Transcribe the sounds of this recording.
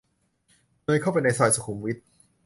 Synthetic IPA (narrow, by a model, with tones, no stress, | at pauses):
nɤː˧jkʰa˥˩wpa˧jna˧jsɔː˧jsu˨˧kʰu˨˩˦mwi˦˥t̪̚